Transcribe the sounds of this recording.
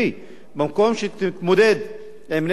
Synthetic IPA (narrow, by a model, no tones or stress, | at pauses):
i | bimkomʃet̪t̪mod̪ed̪ | emn